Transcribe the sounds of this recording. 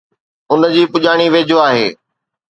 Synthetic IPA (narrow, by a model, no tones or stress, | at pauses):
ʊnd͡ʑiːpʊʄaːɽ̃iʋeːd͡ʑʱoaːɦeː